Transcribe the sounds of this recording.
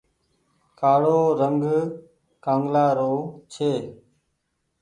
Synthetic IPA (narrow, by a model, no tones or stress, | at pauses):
kʰaːɽoːɾəŋɡ | kãːŋɡlaːɾoːt͡ʃʰeː